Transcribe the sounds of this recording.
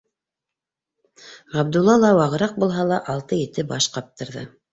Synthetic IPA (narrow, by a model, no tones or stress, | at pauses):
ʁɑbd̪ulˠːɑlˠɑwɑʁɤ̆ɾɑq̚bulˠɦɑlˠɑʔɑlˠt̪ɤjɘ̆t̪ɘbɑʃqɑp̚t̪ɤ̆ɾðɤ̰